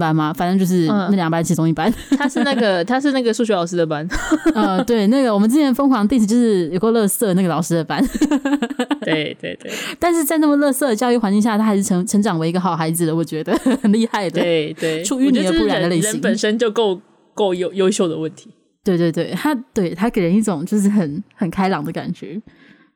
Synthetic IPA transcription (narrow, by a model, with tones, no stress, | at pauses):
pa˥nmɐ˨fa˨˩nə˥t͡ɕo˥˧ʊʂ̬ɻ̩˥˩˧na˥˩ljɑ˨˩ŋpa˥nt͡ɕʰi˧˥t͡sʊ˥ŋi˥˩pa˦nt̪ʰa˥ʂɻ̩˥˩na˥˩ɡə˩t̪ʰa˥ʂɻ̩˥˧na˥˩ɡə˩ʂu˥˧˩ɕɥɛ˧˥lɑ˨˩ʊʂɻ̩˥d̪ə˨pa˦nə˧t̪we˥˩ɪna˥˩ɡə˩wɔ˨˩mə˦nt͡ɕ̩i˥nʰjɛ˧˥nfɤ˥ŋxwɑ˧˥ŋt̪i˥˧t͡ɕ̩ʰ˨˩t͡ɕjʊʂɻ̩˥˩jo˨˩ʊkwo˥˧lɤ˥˧sɤ˥˧na˥˩ɡə˩lɑ˨˩ʊʂɻ̩˥d̪ə˨pa˥n | t̪we˥˩ɪt̪we˥˧ɪt̪wḛ˥˩t̪a˥˧nʂ̬ɻ̩˥˧t͡sa˥˧ɪna˥˩mə˩lɤ˥˧sɤ˥˩d̪ə˩t͡ɕjɑ˥ʊy˥˩xwa˧˥nt͡ɕi˥˧ŋɕja˥˩t̪ʰa˥xa˧˥ɪʂɻ̩ʰ˥˩ə˧˥ŋʈ͡ʂʰə˧˥ŋʈ͡ʂɑ˨˩ŋwe˧˥ɪi˧˥ɡə˧xɑ˨˩ʊxa˧˥ɪd͡zɹ̩˨d̪ə˩˦wɔ˨˩t͡ɕɥɛ˧˥d̪ə˧xə˨˩nli˥˧xa˥˩ɪd̪ə˩˥˩ɪt̪we˥˩ʈ͡ʂʰu˥˧y˥˧ni˨˥ə˨˥pu˥ɻa˨nd̪ə˦le˥˩ɪɕə˦i˧˥ŋpə˨˩nʂə˦nt͡ɕjo˥˧ʊko˥˧ʊ | ko˥˩ʊjo˥˨˩ʊjo˥ʊɕjo˥˩ʊd̪ə˩wə˥˩nt̪ʰi̥˨˦ | t̪we˧ɪt̪we˥˧ɪt̪we˥˩ɪt̪ʰa˥t̪we˥˩ɪt̪ʰa˥ke˨˩ɪɻə˧˥ni˥˩ʈ͡ʂʊ˨˩˦ŋt͡ɕjo˥˧ʊʂ̬ɻ̩˥˩xə˨˩˦nxə˨˩nkʰa˥ɪlɑ˨˩ŋd̪ə˧ka̰˨˩nt͡ɕɥɛ˧˥